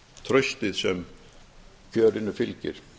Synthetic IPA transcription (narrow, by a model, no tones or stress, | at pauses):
t̪ʰɾœst̪ɪðsɛm | cʰøːɾɪnːʏfɪlcɪ̰ɾ̥